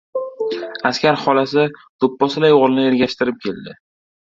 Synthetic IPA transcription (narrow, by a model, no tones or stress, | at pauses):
askʲaɾχɒlasɪt̪ʰopːɒsɪlajoʁlɪnɪe̞ɾɡʲaʃt̪ɪɾɪp̚kʲʰe̞ld̪ɪ